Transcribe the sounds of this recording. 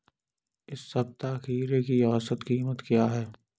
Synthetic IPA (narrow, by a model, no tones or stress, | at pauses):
ɪsːɐb̚t̪aːxiːɾekiɔːsət̪kiːmət̪kjaɦɛː